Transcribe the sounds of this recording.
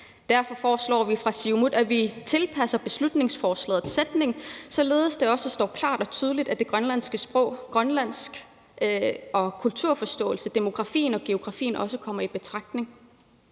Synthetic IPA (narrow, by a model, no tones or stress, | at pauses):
d̥æɐfɒ̽fɒːslɒ̰ːʋifʁɑ̈siʊmuðˠæʋit͡sʰe̝lpʰæsɐb̥e̝slud̥ne̝ŋsfɒːslɛ̰ːð̩ˠsed̥ne̝ŋsɒ̽le̝ːðˠsd̥e̝ɒ̽səsd̥ɒ̰ːkʰl̥ɑ̰̈ːd̥ɒ̽t͡sʰyːð̞ˠəlid̥æd̥e̝ɡ̥ʁɶnlæn̰sɡ̥əsb̥ʁɔ̽ʊ̰ɡ̥ʁɶnlæn̰sɡ̥ | ʔɒ̽kʰult͡sʰuɐ̰fɒ̽sd̥ɔ̰̽ːlsəd̥emo̝ɡ̥ʁɑ̈fḭːnɒ̽ɡ̥e̝o̝ɡ̥ʁɑ̈fḭːn̩ʔɒ̽səkʰɒ̽m̰ɐib̥e̝t͡sʰʁɑ̈ɡ̥̚d̥ne̝ŋ